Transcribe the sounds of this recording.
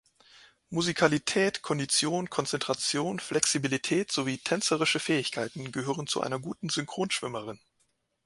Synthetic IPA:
muzikʰalitʰɛːtkʰɔndit͡sjoːnkʰɔnt͡sɛntʁ̥at͡sjoːnflɛksibilitʰɛːtz̥oviːtʰɛnt͡səʁɪʃəfɛːɪçkʰaɪtn̩ɡəɦøːʁənt͡sṵʔa̰ɪnɐɡuːtn̩zʏŋkʁ̥oːnʃv̥ɪməʁɪn

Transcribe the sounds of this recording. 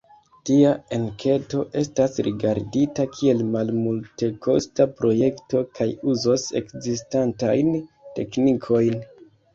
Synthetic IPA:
tiaeŋkʰe̞to̞ʔe̞stasɾiɡaɾditakʰie̞lmalmulte̞ko̞stapɾo̞je̞kto̞kʰajuzose̞̰kzistantajnte̞̰knikʰo̞jn

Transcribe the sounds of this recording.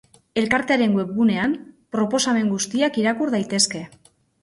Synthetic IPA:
e̞lkaɾt̪eaɾe̞ŋɡwe̞pɣune̞ampɾo̞po̞same̞ŋɡust̪iakiɾakuɾðajt̪e̞ske̞

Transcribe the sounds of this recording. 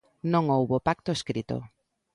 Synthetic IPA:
nõŋowβopak̚t̪oeskɾit̪o̰

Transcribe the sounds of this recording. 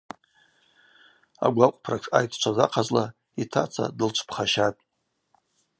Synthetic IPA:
a̰ɡʷaqʷʼpʰrakʰajtʰt͡ʃʷʰazaqʰazla | itʰat͡sʰa̰dɨlt͡ʃʷʰpʰχaʃatʼ

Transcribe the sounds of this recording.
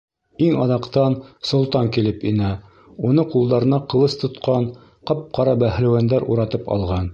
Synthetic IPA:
iŋɑðɑqt̪ɑnsŏlˠt̪ɑŋkilɘpinæ | unɤqulˠd̪ɑɾɤ̆nɑqɤ̆lˠɤst̪ŏt̪qɑn | qɑp̚qɑɾɑbæh̆læwænd̪æɾʔuɾɑt̪ɤpɑ̰lˠʁɑn

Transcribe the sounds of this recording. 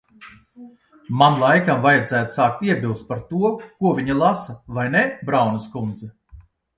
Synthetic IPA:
manlˠajkamvajad̪zæːt̪u̥saːk̚t̪iɛbʲilˠst̪̚paɾt̪uɔkuɔvʲiɲilˠasavajnɛbɾawnuskund̪zɛ

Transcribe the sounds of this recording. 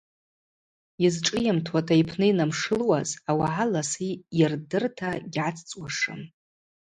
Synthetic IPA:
izʈ͡ʂʼɨjamtʰwatʰʼaipʰnɨinamʂɨlwazawaʕalasijɪrdɨrtʰaɡʲʕat͡sʰt͡sʼwaʂɨ̰m

